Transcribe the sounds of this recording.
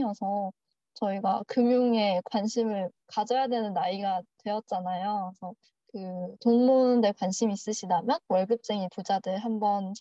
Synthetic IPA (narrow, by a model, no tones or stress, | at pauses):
ʌsʰʌ | t͡ɕʌiɡakɯmjuŋe̞kwanɕʰimɯɭ | kad͡ʑʌjadwe̞nɯnːaiɡatwe̞ʌt̚t͡ɕ͈anajoesʰʌ | kɯtonmonde̞kwanɕʰimiːs͈ɯɕʰidamjʌnwʌɭɡɯp̚t͡ɕ͈eŋipud͡ʑadɯɭɦambʌn